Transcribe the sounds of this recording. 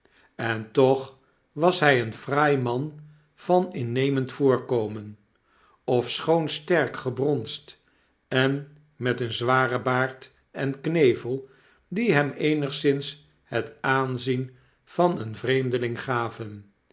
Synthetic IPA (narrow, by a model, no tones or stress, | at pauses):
ɛntɔχ | ʋɑsɦɛjənfraːjmɑn | v̥ɑnɪnejməntfʊːɹkowmən | ɔfsχownstɛɹkχəbrɔnst | ɛn | mɛtənzʋaːrəbaːɹt | ɛnknejvəlˠ | diɦɛmejnəχsɪns | hətaːnzin | v̥ɑnənvrejmdəlɪŋχaːvən